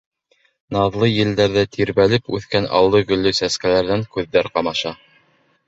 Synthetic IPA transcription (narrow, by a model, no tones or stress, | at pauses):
nɑðlˠɤjɘ̆ld̪æɾðæt̪ʰiɾβælɘpʉθkænɑ̰lˠd̪ɤɡɵ̆lːɵsæskælæɾðæŋkʉðːæɾqɑmɑʃɑ